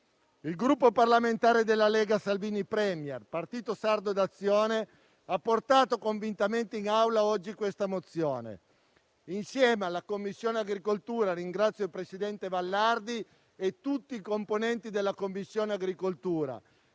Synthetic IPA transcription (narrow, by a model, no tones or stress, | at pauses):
ilɡɾupːoparlament̪aːɾed̪elːalɛːɡasalviːnipɾɛmjɛrpart̪iːt̪osard̪od̪at̪sːjoːne | apːort̪aːt̪okoɱvint̪ament̪iinawlaɔd͡ʒːikwest̪amot̪sːjoːnḛ | insjɛːmalakomːisːjoːneaɡɾikolt̪uːɾaɾiŋɡɾat̪sːjoilpɾesid̪ɛnt̪evalːard̪i | et̪ːut̪ːiːkomponɛnt̪id̪elːakomːisːjoːneaɡɾikolt̪uːɾa̰